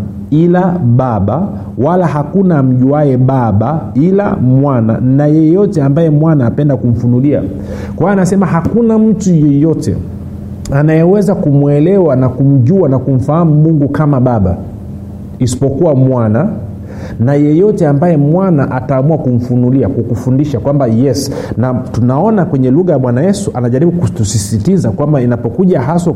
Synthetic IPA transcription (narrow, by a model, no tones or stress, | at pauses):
ilaɓaɓa | walaɦakunam̩ʄuwajɛɓaɓaila̰mwana̰najɛjɔtɛambajɛmwanaːpɛndakum̩funulia̰ | kwaanasɛmahakunam̩tujɛjɔtɛ̰ | anajɛwɛzakumwɛlɛwanakum̩ʄuanakum̩faham̩muŋɡukamaɓaɓa̰ | isi̥pɔkuwamwana | najɛjɔtɛambajɛmwanaʔataːmuakum̩funuliakukufundiʃakwambajɛsnatunaɔnakwɛɲɛluɣajaɓwanajɛsuʔanaʄaɾiɓukutusisitizakwambainapɔkuʄaɦasɔ